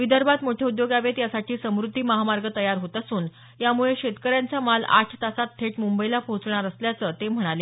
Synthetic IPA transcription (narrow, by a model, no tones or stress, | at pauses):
ʋid̪əɾbat̪moʈʰjeud̪joɡaʋet̪jasaʈʰiːsəmɾud̪ʱːiːməɦamaɾɡət̪əjaɾɦot̪əsuːn | jamuɭeɕet̪kəɾjant͡samala̰ʈʰt̪asat̪ʰːeʈmumbəilapot͡sɳ̃aɾəsljat͡sət̪em̤əɽ̃ale